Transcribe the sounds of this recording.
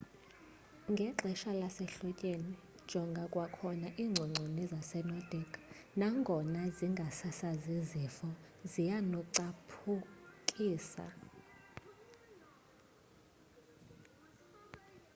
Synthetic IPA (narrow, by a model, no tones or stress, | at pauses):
ŋɡʱɛǁɛʃalasɛɬɔcʼeni̥ | ʒ̥ʱɔŋɡʱakʼwakʰɔnaʔiːŋ͡ǀʱɔŋ͡ǀʱɔnɛzasɛnɔd̥ʱɛkʰ | naŋɡʱɔnaziŋɡʱasasazizifɔzijanɔǀapʰukʼiːsa̰